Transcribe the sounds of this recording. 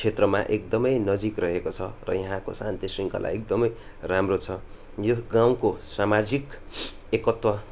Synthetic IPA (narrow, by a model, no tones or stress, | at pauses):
et̪rʌma̰ʔek̚d̪ʌmʌjnʌd͡zikrʌɦekot͡sʰʌrʌ̰jʌɦãko̰sant̪isriŋkʌ̰lʔa̰jekd̪ʌmʌj | ramrot͡sʰʌ | joɡãw̃kosamad͡zik | ekʌt̪wʌ